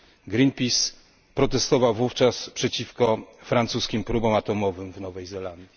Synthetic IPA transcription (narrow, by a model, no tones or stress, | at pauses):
ɡɾinpʲis | pɾɔt̪ɛst̪ɔvawvuft͡ʂaspʂɛt͡ɕifkɔfɾant̪suskʲimpɾubɔ̃w̃at̪ɔmɔvɘmvnɔvɛjzɛland̪ʲji